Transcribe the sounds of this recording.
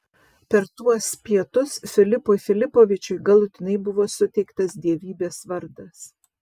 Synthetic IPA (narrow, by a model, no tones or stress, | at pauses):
pʲɛɾt̪uɔspʲiɛt̪ʊsfʲɪlʲɪpoːɪfʲɪlʲɪpoːʋʲɪt͡ʃʲʊɪɡɐlˠʊt̪ʲɪnɐɪbʊʋoːsʊt̪ʲɛɪkt̪ɐsd̪ʲiɛʋʲiːbʲeːsʋɐɾd̪ɐs